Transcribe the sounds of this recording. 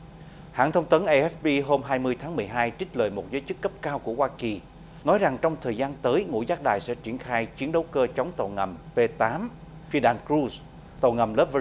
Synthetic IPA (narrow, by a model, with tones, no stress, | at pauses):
ha̰ː˧˨nt̪ʰə˧wŋ͡mt̪ə˨˦nʔa˧ʔɛ˦˥fɓi˧ɦo˧mɦaː˧jmɨ˧əjt̪ʰaː˨˦ŋmɨ˨˩əjɦaː˧jt͡ɕï̟˦˥ləː˨˩jmo˨˩t̚zəː˨˦jt͡ɕɨ˦˥kːə˦˥p̚kaː˧wku˧˩əhwaː˧ki˨˩ | nɔ˨˦jza˨˩ŋt͡ɕɔ˧wŋ͡mt̪ʰəː˨˩jzaː˧nt̪əː˨˦jŋṵ˧˥jzaː˦˥k̚ɗaː˨˩jsɛ̰˧˥t͡ɕḭ˧˩ənxaː˧jt͡ɕi˨˦ənɗə˨˦wkəː˧t͡ɕə˨˦wŋ͡mt̪o̰˧˩ŋə˨˩mpe˧t̪aː˨˦m | fi˧əɗaː˧˩nkɹu˧s | t̪o̰˧˩ŋə˨˩mləː˦˥p̚və˧